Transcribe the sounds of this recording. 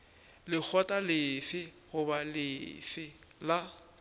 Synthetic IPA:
lɪk͡xʰɔtʼalɪfɪhʊbalɪfɪ | la

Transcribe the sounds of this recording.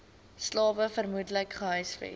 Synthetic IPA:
slɑːvəfərmudləkχəɦœjsfɛ̰

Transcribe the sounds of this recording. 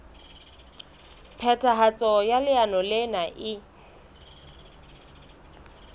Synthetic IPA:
pʰɛtʰʼaɦat͡sʼɔjalɪanɔlɪnaʔɪ

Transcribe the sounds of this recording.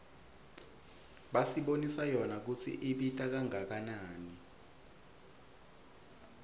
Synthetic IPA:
ɓasiɓonisajɔnak̬ut͡sʰḭʔiɓitʼak̬aŋak̬anaːni

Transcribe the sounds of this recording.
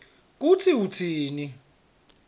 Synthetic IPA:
k̬utʰiutʰiːni

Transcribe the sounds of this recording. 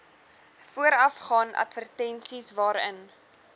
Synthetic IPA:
fuəɾɐfχɑːnɐ̰tvərtɛnsisvɑːɾə̰n

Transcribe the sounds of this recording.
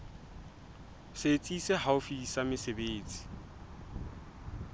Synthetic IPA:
set͡sʼisɛɦaʊfisamɪsebeːt͡sʼi̥

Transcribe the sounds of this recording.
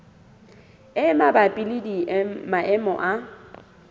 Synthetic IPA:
ɪmabapʼilɪdimaʔɛmɔ̰ʔa

